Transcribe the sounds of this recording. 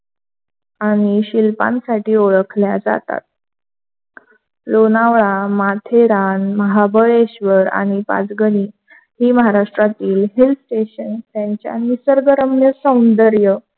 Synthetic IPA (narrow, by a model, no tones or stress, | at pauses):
aɽ̃iɕilpa̰nsaʈʰiːoɭəkʰljad͡za̰t̪a̰t̪̚ | lonaʋɭamat̪ʰeɾanməɦabəɭeɕʋəɾa̰ɽ̃ipa̰d͡zɡəɽiː | ɦiːməɦaɾaʂʈɾat̪iːlɦilʈeɕənt̪jaɲt͡ɕja̰misəɾɡəɾəmnjəsə̃wnd̪əɾjə